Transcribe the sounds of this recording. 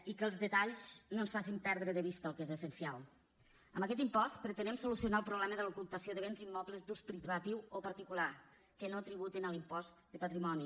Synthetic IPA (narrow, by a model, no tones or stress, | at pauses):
ikəlˠzðət̪aʎznonsfasimpɛɾðɾəðəβ̞ist̪əlˠkezəsənsialˠ | əmbəkɛt̪impɔst̪pɾət̪ənɛmsulusiunaəlˠpɾuβlɛməðəlokulˠt̪əsioðəβ̞enzimːɔpləzd̪uspɾiβat̪iwopəɾt̪ikula | kənot̪ɾiβut̪enəlimpɔzd̪əpat̪ɾimɔni